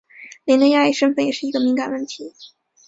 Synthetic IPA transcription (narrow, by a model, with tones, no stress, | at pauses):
ljɛ˧˥nə˥ja˥˧i˥˩ʂə˥ŋfə˥˩njɛ˨˩ʂɻ̩˥˩i˧˥ɡə˧mi˧˥ŋka˨˩nwə˥˩nt̪ʰi˧˥